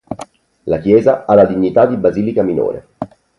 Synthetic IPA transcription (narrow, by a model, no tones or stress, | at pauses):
lakjɛːzaalːad̪iɲːit̪ad̪ibaziːlikamino̰ːɾḛ